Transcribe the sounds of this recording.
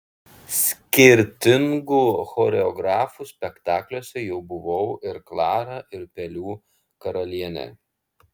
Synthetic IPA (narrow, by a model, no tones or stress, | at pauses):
sʲkʲɪɾʲt̪ʲɪŋɡuːxɔɾʲɛɔɡɾɑːfuːsʲpʲɛkt̪ɑːklʲuɔsʲɛjɛʊbʊʋɔʊɪɾklˠɑːɾɑːʔɪɾpʲɛlʲuː | kɐɾɐlʲiɛnʲɛ̰